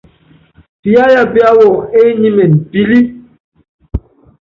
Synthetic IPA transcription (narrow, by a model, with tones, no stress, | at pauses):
pi˨ja˦ja˨bi˦a˦wɔ˨ŋe˦ɲi˦mɛ˨n˨bi˦li˦